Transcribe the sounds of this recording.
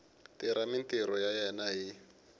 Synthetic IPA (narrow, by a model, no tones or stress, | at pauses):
tiɾamintiɾɔjajɛnaɦi